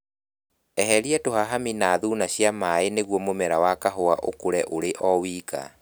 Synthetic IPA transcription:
ɛɦɛɾiɛtohaɦaminaðuːnaɕjamaeneɣwɔmomɛɾawakaɦoaʔokoɾɛʔoɾeʔɔwiːka̰

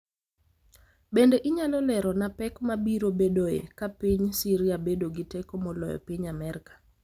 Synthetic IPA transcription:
bendeʔɪɲalɔlɛɾɔnapɛkmabiɾobedoḛkapiɲsiɾiabedoɡitɛkomɔlɔjɔ̰piɲamɛɾikḁ

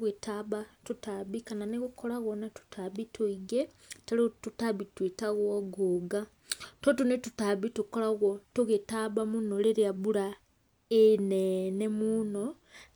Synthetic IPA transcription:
ɣetaβatutaβikananeɣukolaɣonatu̥tʰaβitʰuiɡe | talitutaβitwitaɣoɡuɡa | totunetutaβitukolaɣotuɣetaβamunoleɾiaβula | enenemuno

